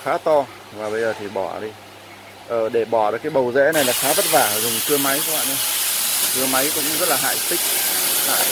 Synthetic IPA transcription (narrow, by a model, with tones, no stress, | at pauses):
xaː˨˦t̪ɔ˧ | vaː˨˩ɓə˧jzəː˨˩t̪ʰi˨˩ɓɔ˧˩ɗi˧ | ʔəː˨˩ɗe˧˩ɓɔ˧˩ɗəkaː˨˦jɓə˨˩wzɛ̰˧˥na˨˩jlaː˨˩xaː˨˦və˦˥t̚vaː˧˩˨zʊ˨˩ŋ͡mt̪ʰɨ˧əma˨˦jkːwa̰ː˧˨nə˧t̪ʰɨ˧əma˨˦jkʊ̰˧˥ŋ͡mzə˦˥t̚laː˨˩ɦa̰ː˧˨jt̪ï˦˥k̟̚ | a̰ː˧˨